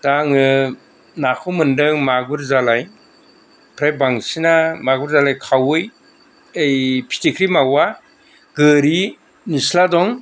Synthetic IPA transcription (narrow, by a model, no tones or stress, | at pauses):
d̥aŋɯ | nakʰɯmɯndɯŋmaɡuɾzalaj | pʰɾajbaŋsinamaɡuɾzalajkʰawɯj | ɯjpʰi̥tikʰɾimawa | ɡɯɾi | nisladɔŋ